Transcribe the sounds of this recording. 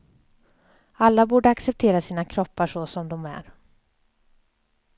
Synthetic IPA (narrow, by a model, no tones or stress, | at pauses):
alːabuːɖəaksɛp̚t̪ʰeːɾasiːnakʰɾɔpːaʂɔsɔmd̪ɔmæ̰ɾ